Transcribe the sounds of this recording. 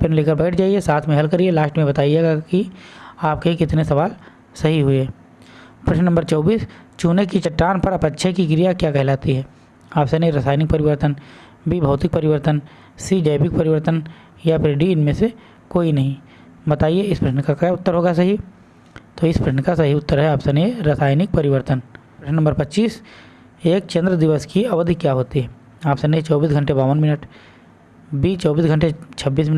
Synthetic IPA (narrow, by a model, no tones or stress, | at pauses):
pʰɪɾnleːkəɾbɛːʈʰd͡ʒaːiesaːt̪ʰmẽɦɐlkɐɾielaːʃʈmẽbɐt̪aːieɡakiaːp̚keikɪt̪nesɐʋaːl | sɐɦiɦʊeː | pɾɐʃnnɐmbəɾt͡ʃɔːbiːst͡ʃuːnekit͡ʃɐʈːaːnpɐɾɐpɐtːʃʰekikɾijakjaːkɛɦlaːt̪iɦɛː | aːpsenɐɦĩɾɐsaːɪnɪk̚pɐɾɪʋəɾt̪ən | bibʱɐʊt̪ɪk̚pɐɾɪʋəɾt̪ən | sid͡ʒɐːbɪk̚pɐɾɪʋəɾt̪ən | japʰɪɾɖiɪnmẽse | koːinɐɦĩ | bɐt̪aːieɪspɾɐʃnəkakaʊt̪ːəɾɦoːɡasɐɦi | t̪oːɪspɾɐʃɳəkasɐɦiʊt̪ːəɾɦɛaːpsɐneɾɐsaːjnɪk̚pɐɾɪʋəɾt̪ən | pɾɐʃnnɐmbəɾpɐtːʃiːs | eːk̚t͡ʃɐ̃nd̪ɾəd̪ɪʋəskiɐʋəd̪ʱkːjaɦoːt̪iɦɛ | aːpsɐneit͡ʃɔːbiːsɡʱɐ̃ɳʈebaːʋənmɪnəʈ | bit͡ʃɔːbiːsɡʱɐ̃ɳʈ̬et͡ʃʰɐbːiːs̬mɪnə